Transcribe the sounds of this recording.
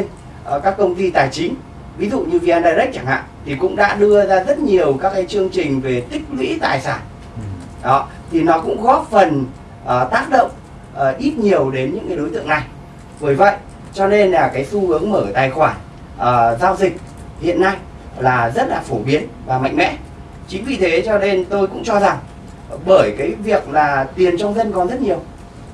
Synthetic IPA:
n | ʔkaː˦˥kːə˧wŋ͡mt̪i˧t̪aː˨˩jt͡ɕï˨˦ŋ̟ | vi˨˦zṵ˧˨ɲɨ˧vi˧ʔaː˧nɗaː˧jɗə˦˥k̚t͡ɕa˧˩ŋha̰ː˧˨ŋt̪ʰi˨˩kʊ̰˧˥ŋ͡mɗa̰ː˧˥ɗɨ˧əzaː˧zə˦˥t̚ɲi˨˩əwkaː˦˥kːaː˨˦jt͡ɕɨ˧əŋt͡ɕï˨˩ŋ̟ve˨˩t̪ï˦˥k̚lwḭ˧˥t̪a̰ː˨˩jsaː˧˩n | ɗɔ˨˦ | t̪ʰi˨˩nɔ˨˦kʊ̰˧˥ŋ͡mɣɔ˨˦˥fə˨˩n | ʔːt̪aː˦˥k̚ɗo̰˧˨wŋ͡m | ʔːʔi˦˥t̚ɲi˨˩əwɗe˨˦nɲɨ̰˧˥ŋkaː˨˦ɗo˨˦jt̪ɨ̰˧˨əŋna˨˩j | vəː˧˩jvə̰˧˨jʔ | t͡ɕɔ˧ne˧nlaː˨˩kaː˨˦jsu˧hɨ˨˦əŋməː˧˩t̪aː˨˩jxwaː˧˩n | ʔəː˨˩zaː˧wzï˨˩k̟̚ | hḭ˧˨ənːa˧j | laː˨˩zə˦˥t̚laː˨˩fo˧˩ɓi˨˦ənvaː˨˩ma̰˧˨jŋ̟mɛ̰˧˥ | t͡ɕï˨˦ŋ̟vi˨˩t̪ʰe˨˦t͡ɕɔ˧ne˧nt̪o˧jkʊ̰˧˥ŋ͡mt͡ɕɔ˧za˨˩ŋ | ɓəː˧˩jkaː˨˦jvi˨˩ək̚laː˨˩t̪wi˨˩ənt͡ɕɔ˧wŋ͡mzə˧nkɔ˨˩nzə˦˥t̚ɲi˨˩əw

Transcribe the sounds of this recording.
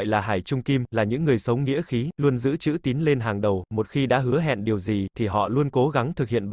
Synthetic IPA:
jlaː˨˩ɦaː˧˩jt͡ɕʊ˧ŋ͡mki˧mlaː˨˩ɲɨ̰˧˥ŋːɨ˨˩əjsə˨˦wŋḭ˧˥əxi˨˦lu˧ənzɨ̰˧˥t͡ɕɨ̰˧˥t̪i˨˦nle˧nɦaː˨˩ŋɗə˨˩wmo˨˩t̚xi˧ɗa̰ː˧˥ɦɨ˨˦əɦɛ̰˧˨nɗi˨˩əwzi˨˩t̪ʰi˨˩ɦɔ̰˧˨lu˧ənko˨˦ɣa˨˦ŋt̪ʰɨ˨˩k̚hḭ˧˨ənɓ

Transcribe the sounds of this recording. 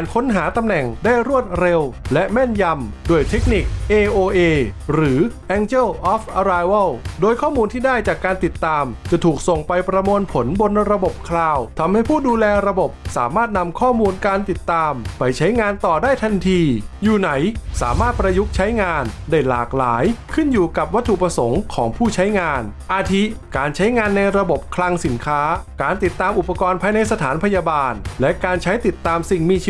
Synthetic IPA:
aː˨˩nkʰo˦˥nɦaː˩˦t̪a˧mnɛ˨˩ŋdaː˥˩jɾu˥˩ət̪̚ɾe˧wlɛ˦˥ʔmɛ˥˩nja˧mdoː˧əjt̪ʰe˦˥k̚ni˨˩k̚ʔeː˧ʔoː˧ʔeː˧ɾɯː˩˦ʔɛː˧ŋt͡ɕɛ˥˩wʔɔː˦˥fʔa˧ɾaː˧jwa˥˩wdoː˧jkʰɔː˥˩muː˧nt̪ʰiː˥˩daː˥˩jt͡ɕaː˨˩kːaː˧nt̪i˨˩t̪ːaː˧mt͡ɕa˨˩t̪ʰuː˨˩k̚so˨˩ŋpa˧jpɾa˧mu˧ənpʰo˩˦nbo˧nɾa˧bo˨˩p̚kʰlaː˧wt̪ʰa˧mha˥˩jpʰuː˥˩duː˧lɛː˧ɾa˧bo˨˩p̚saː˩˦maː˥˩t̪̚na˧mkʰɔː˥˩muː˧nkaː˧nt̪i˨˩t̪ːaː˧mpa˧jt͡ɕʰa˦˥jŋaː˧nt̪ɔː˨˩daː˥˩jt̪ʰa˧nt̪ʰiː˧juː˨˩na˩˦jsa̰ː˩˦maː˥˩t̪̚pɾa˧ju˦˥k̚t͡ɕʰa˦˥jŋaː˧ndaː˥˩jlaː˨˩k̚laː˩˦jkʰɯ˥˩njuː˨˩ka˨˩p̚wa˦˥t̪ʰːu˨pɾa˧so˩˦ŋkʰɔː˩˦ŋpʰuː˥˩t͡ɕʰa˦˥jŋaː˧nʔaː˧t̪ʰi˦˥kaː˧nt͡ɕʰa˦˥jŋaː˧nːa˧jɾa˧bo˨˩p̚kʰla˧ŋsi˩˦nkʰaː˦˥kaː˧nt̪i˨˩t̪ːaː˧mʔu˨˩pːa˧kɔː˧npʰaː˧jna˧jsa˧t̪ʰaː˩˦npʰa˧jaː˧baː˧nlɛ˦˥kaː˧nt͡ɕʰa˦˥jt̪i˨˩t̪ːaː˧msi˨˩ŋmiː˧t͡ɕ

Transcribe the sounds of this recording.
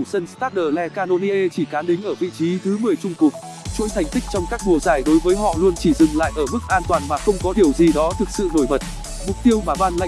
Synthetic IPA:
u˧˩sə˧nst̪aː˦˥t̚ɗəː˨˩lɛ˧kaː˧no˧ni˧ʔe˧t͡ɕi˧˩kaː˨˦nɗï˨˦ŋ̟ʔəː˧˩vḭ˧˨t͡ɕi˨˦t̪ʰɨ˨˦mɨ˨˩əjt͡ɕʊ˧ŋ͡mku˨˩t̚ | t͡ɕṵ˧˥jt̪ʰa˨˩jŋ̟t̪ï˦˥k̟̚t͡ɕɔ˧wŋ͡mkaː˦˥k̚ɗu˨˩əzaː˨˩jɗo˨˦jvəː˨˦jɦɔ̰˧˨lu˧ənt͡ɕi˧˩zɨ˨˩ŋla̰ː˧˨jʔəː˧˩mɨ˦˥k̚ʔaː˧nt̪waː˨˩nmaː˨˩xə˧wŋ͡mkɔ˨˦ɗi˨˩əwzi˨˩ɗɔ˨˦t̪ʰɨ˨˩k̚sɨ̰˧˨no˧˩jmə˨˩t̚ | mʊ˨˩k͡p̚t̪i˧əwmaː˨˩vaː˧nla̰˧˨

